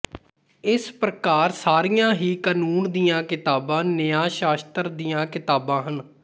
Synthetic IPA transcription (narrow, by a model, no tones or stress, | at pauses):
ɪspɾəkaːɾsaːɾijãːɦiːkənuːnd̪ijãːkɪt̪aːbãːnɪjaːʃaːst̪əɾd̪ijãːkɪt̪aːbãːɦən